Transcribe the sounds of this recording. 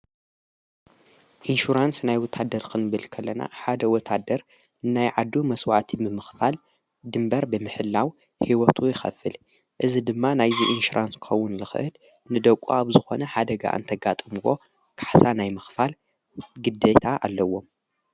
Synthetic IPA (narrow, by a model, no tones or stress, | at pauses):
ʔinʃuɾansnajwɔt̪ʰːad̪ːɐɾkʰɨnɨβɨlkʰɐlːɐna̰ħad̪ɐwɔt̪ʰːad̪ɐɾ | najʕad̪ːumɐswa̰t̪ʰimɨmɨxfal | d̪ɨmbɐɾbɨmɨħɨlːaw | hiwɔt̪ʰujɪxɐ̰fɨl | ʔɨzid̪ɨmːanajziʔinʃuɾʔanskɨ̥xɐwːʊnlɨxʔɨl | nɨd̪ɐkʷʼːuaβzɨxo̞nɐħad̪ɐɡa̰ʔɨ̰nt̪ʰɐɡat̪ʼɨmwo̞ | kʰḁħsanajmɨxfal | ɡɨd̪et̪ʰaʔa̰lːɐwːo̞m